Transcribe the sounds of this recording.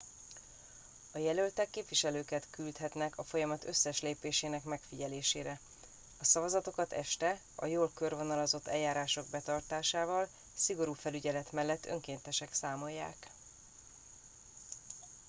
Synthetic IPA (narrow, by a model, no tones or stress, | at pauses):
ɒjɛlø̞lt̪ɛkːeːpviʃɛløːkɛt̪kylt̪hɦɛt̪nɛkʰɒfo̞jɒmɒt̪ø̞sːɛʃleːpeːʃeːnɛkmɛkfiɟɛleːʃeːɾɛ | ɒsɒvɒzɒt̪o̞kɒt̪ɛ̰ʃt̪ɛ | ɒ̰joːlkø̞rvonɒlɒzo̞t̪ːɛjːaːɾaːʃo̞ɡ̚bɛt̪ɒrt̪aːʃaːvɒl | siɡo̞ɾuːfɛlyɟɛlɛt̪mɛlːɛt̪ːø̰ŋkeːnt̪ɛʃɛksaːmo̞jːa̰ːk